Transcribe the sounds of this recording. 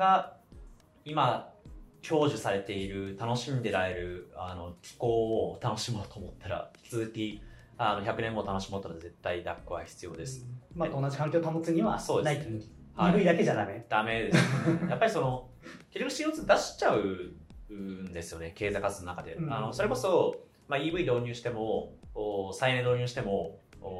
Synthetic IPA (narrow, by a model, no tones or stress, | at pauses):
ɡa | ima | kʲo̞ːʑɨsaɾe̞t̪e̞iɾɯ̟t̪ano̞ɕĩnd̪e̞ɾae̞ɾɯ̟ano̞kʲi̥ko̞ːt̪ano̞ɕimo̞ːt̪o̞ːmo̞t̪ʰːaɾa̰ɸt͡sɨːkʲi | ano̞çakɯnẽ̞mːo̞t̪ano̞ɕimot̪ːaɾaze̞t̪ːaid̪akːɯ̟βa̰çi̥t͡sɨjo̞̰ːd̪e̞sɨ̥mat̪onːad͡ʑikãŋkʲoːt̪amot͡sɨɲ̟iβaso̞ːd̪eais | haibɯ̟id̪akeʑad̪amed̪̥ame̞d̪e̞sejapːaɾʲiso̞no̞ | kʲoɾʲokɯ̟ɕĩjot͡sɨd̪aɕi̥t͡ɕaɯ̟ | nd̪e̞sɨ̥jo̞ne̞ke̞ːzakasɨnonakad̪e̞̰ano̞so̞ɾe̞ko̞so̞ | maiːbɯ̟id̪o̞ːɲʲɨːɕi̥t̪e̞mo̞ː | sainend̪oːɲ̟ɨːɕi̥t̪e̞mo̞ː